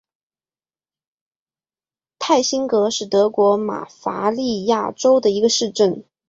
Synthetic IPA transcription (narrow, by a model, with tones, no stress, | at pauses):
t̪ʰa˥˩ɪɕi˥nkɤ˧˥ʂɻ̩˥˩t̪ɤ˧˥kwɔ˧˥ma̰˨˩fa˧˥li˥˧ja˥˩ʈ͡ʂo˥ʊd̪ə˨i˧˥ɡə˧ʂɻ̩˥˧ʈ͡ʂə˥˩n